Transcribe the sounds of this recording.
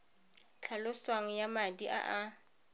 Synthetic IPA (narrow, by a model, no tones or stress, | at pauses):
t͡ɬʰalʊswaŋ̩jamadiʔa̰ʔa